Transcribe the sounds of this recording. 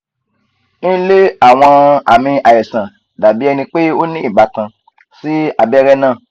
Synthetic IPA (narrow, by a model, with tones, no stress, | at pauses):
ñ̩˦le˦a˦˨w̃ɔ̃˧a˨mĩ˧a˨jɛ˨sã˨ | da˨bi˨˦ɛ˧nĩ˧k͡pe˦o˦nĩ˦i˦˨ɡ͡ba˨˧˦kã˧ | si˦a˦˨bɛ˦ɾɛ˦nãː˦˨